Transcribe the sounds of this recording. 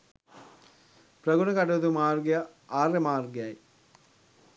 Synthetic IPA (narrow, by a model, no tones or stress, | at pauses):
prɐɡunɐkaʈud̪umaːrɡeja | aːrjemaːrɡejaj